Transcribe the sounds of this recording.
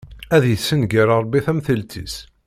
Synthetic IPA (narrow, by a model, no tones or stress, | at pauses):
æðjəsːənɡiɾˤɑɾˤbiθæmθəlt̪ʰḭs